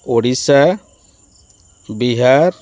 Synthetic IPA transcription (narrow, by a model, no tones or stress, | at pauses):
oɽisa | biɦaɾ